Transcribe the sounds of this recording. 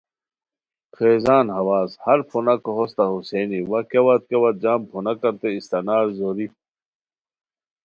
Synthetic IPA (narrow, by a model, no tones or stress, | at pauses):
kʰeːzaːnɦɐwaːzhɐɾpʰunɐkoɦost̪ɐɦuseːniwɐkewɐt̪̚kewɐd̪̚d͡ʑaːmpʰonɐkɐɾt̪eist̪ɐnaːɾzoːɾi